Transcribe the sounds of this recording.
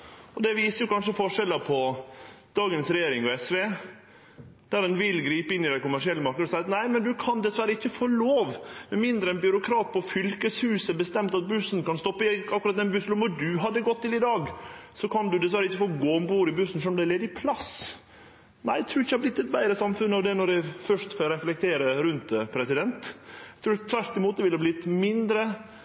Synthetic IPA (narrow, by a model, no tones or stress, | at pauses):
ɔd̪ɛʋiːsəjʊkɑnʂəfɔʂɛləpʰɔ | d̪̥ɑːɡənsɾɛjeːɾɪŋɔɛsʋe | d̪̥æɾɛnʋɪlɡɾiːpəɪnːɪd̪ɛkʊmæʂɪɛlːəmɑɾknəd̪ɔsɑɪɑt̪næɪmɛnd̪ʉkʰɑnd̪ɛsʋæɾəɪçːəfoːloːʋmɛnmɪnd̪ɾəɛnbʏɾʊkʰɾɑːt̪̚pʰɔfʏlkəshʉːsəbəst̪ɛmt̪ɑt̪̚bʉsnkɑnst̪ɔpːəɪɑkːʉɾɑt̪ɛnbʉslʊmɔd̪ʉɦɑd̪ːəɡɔt̪ʰːɪlɪd̪ɑːɡsɔkʰɑnd̪ʉd̪ɛsʋæɾəɪçːəfoːɡoːmbuːɾɪbʉsən̩sɔnɔmd̪ɛlɛd̪əɪpʰlɑs | næ̰ɪt̪ʰɾuːɪçːhɑblɪt̪ːɛt̪̚bæɪɾəsɑmfʉnːɑʋd̪ɛnɔɾæɪfœʂt̪fɔɾɛflɛk̚t̪ʰeːɾəɾʉnt̪pʰɾɛsɪd̪ɛnt̪t̪ʰɾuːt̪ʰʋæɾʈ̪ɪmuːt̪əʋɪlhɑblɪt̪mɪnd̪ɾə